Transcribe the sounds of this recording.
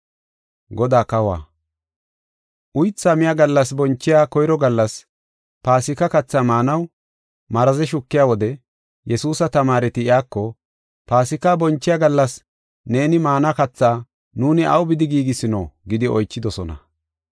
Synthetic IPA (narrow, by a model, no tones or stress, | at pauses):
ɡɔd̪aːkɐwa̰ː | ʔʊjt͡sːaːmɪjaːɡɐlːɐs̬bɔnt͡ʃːɪjaːkɔjɾɔɡɐlːɐs | paːsɪkɐkɐt͡sːaːmaːnɐw | mɐɾɐzɛʃʊkːɪjaːwɔd̪ɛ | jɛsuːsɐt̪ɐmaːɾɛt̪ɪɪjaːkːɔ | paːsɪkabɔnt͡ʃːɪjaɡɐlːɐs | ne̞ːnɪmaːnakɐt͡sːaː | nuːnɪʔɐ̰wbɪd̪ɪɡiːɡɪsɪno̰ːɡɪd̪ɪɔjt͡ʃːɪd̪ɔsɔnɐ̰